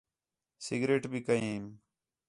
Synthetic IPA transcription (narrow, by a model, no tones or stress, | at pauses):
sɪɡɾeːʈbʱiːkəiːm